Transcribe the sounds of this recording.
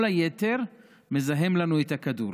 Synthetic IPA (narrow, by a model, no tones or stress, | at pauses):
lajeteʁ | mezaɦemlanuetakadṵɾ